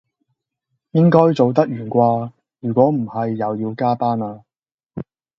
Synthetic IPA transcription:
jɪ˥ŋkɔː˥jt͡so˨˧wt̪̬ɐ˥k̚jyː˨˩nkʷaː˧ | jyː˨˩kʷɔː˨˥m̩˨˩hɐ˨jːɐ˨˧wjiː˧wkaː˥paː˥naː˧

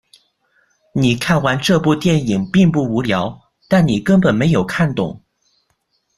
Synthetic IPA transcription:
ni˨˩kʰa˥˩nwa˧˥nʈ͡ʂɤ˥˧pu˥˧t̪jɛ˥˩ni˨˩ŋpi˥˧ŋp̬u˥˩u˧˥ljɑ˧˥ʊ | t̪a˥˩nni˨˩kə˥npə˨˩nme˧˥ɪjo˨˩ʊkʰa˥˩nt̪ʊ̰˨˩˦ŋ

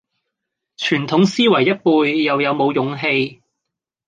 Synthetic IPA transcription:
t͡ʃʰyː˨˩nt̪ʰʊ˨˥ŋsiː˥wɐ˨˩jːɐ˥t̚puː˧jːɐ˨wjɐ˨˧wmo˨˧wjʊ˨˧˥ŋɦe˧j

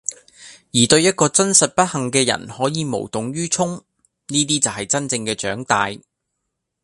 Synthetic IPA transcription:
jiː˨˩t̪ɵ˧ɥjɐ˥t̚kɔː˧t͡sɐ˥nsɐ˨t̚pɐ˥t̚hɐ˨˩ŋkɛː˧jɐ̰˨˩nhɔː˨˥jiː˨˧mo̰˨˩wt̪ʊ˨ŋɥyː˥t͡ʃʰʊ˥ŋ | niː˥t̪iː˥t͡sɐ˨wɦɐ˨jt͡sɐ˥nt͡sɪ˧ŋkɛː˧t͡ʃœː˨˥ŋt̪aː˧j

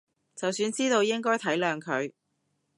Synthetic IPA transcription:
t͡sɐ˨wsyː˨˧nt͡siː˥t̪o˧wjɪ˥ŋkɔː˥jt̪ʰɐ˨˥jlœː˨ŋkʰɵ˨˧ɥ

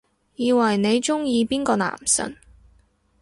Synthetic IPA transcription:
jiː˨˧wɐ˨˩jne˨˧jt͡ʃʊ˥ŋjiː˨˧piː˥nkɔː˧na̰ː˨˩msɐ̰˨˥n

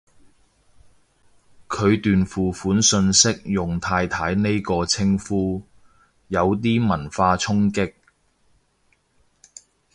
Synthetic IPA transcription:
kʰɵ˨˧ɥt̪yː˨nfuː˨˩fuː˨˥nsɵ˧nsɪ˥k̚jʊ˨˩ŋt̪ʰaː˧jt̪ʰaː˨˥jne˥jkɔː˧t͡sʰɪ˥ŋfuː˥ | jɐ˨˧wt̪̬iː˥mɐ˨˩nfaː˧t͡sʰʊ˥ŋkɪ˥k̚

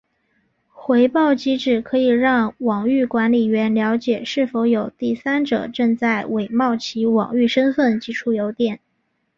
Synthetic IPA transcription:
xwe˧˥ɪpɑ˥˩ʊt͡ɕi˧˥ʈ͡ʂɻ̩˨˩kʰɤ˧˥i˨˩ɻɑ˥˩ŋwɑ˨˩ŋy˥˩kwa˧˥nli˨˩ɥɛ˧˥nljɑ˧˥ʊt͡ɕjɛ˨˩ʂɻ̩˥˩fo˧˥ʊjo˨˩ʊt̪i˥˩sa˥nʈ͡ʂɤ̰˨˩˦ʈ͡ʂɤ˥˧ŋt͡sa˥˩ɪwe˨˩ɪmɑ˥˩ʊt͡ɕʰi˧˥wɑ̰˨˩ŋy˥˩ʂə˥nfə˥˩nt͡ɕi˧˥ʈ͡ʂʰu˧˥jo˧˥ʊt̪jɛ˨˩˦n

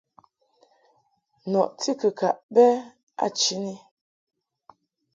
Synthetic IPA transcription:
nɔ˨ʔti˦kə˨ka˨ʔbɛ˦ | a̰˦˨t͡ʃi˨˦ni˦

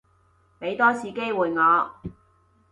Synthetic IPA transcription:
pe˨˥jt̪ɔː˥sʰiː˨˥ke˥jwuː˨jŋɔː˨˧

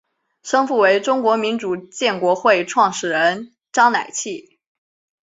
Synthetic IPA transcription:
ʂɤ˥ŋfu˥˩we˧˥ɪʈ͡ʂʊ˥ŋkwɔ˧˥mi˧˥nʈ͡ʂu˨˩t͡ɕjɛ˥˩nkwɔ˧˥xwe˥˧ɪʈ͡ʂʰwɑ˥˩ŋʂɻ̩˥˩ɻə˧˥n | ʈ͡ʂɑ˥ŋna˨˩ɪt͡ɕʰi˥˩

